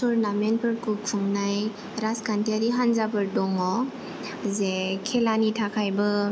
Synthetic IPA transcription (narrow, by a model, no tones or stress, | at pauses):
suɾnamenpʰɯɾkukʰuŋnaj | ɾaskantiaɾiɦanzapɯɾdɔŋɔ | zekʰelanitʰakʰajbɯ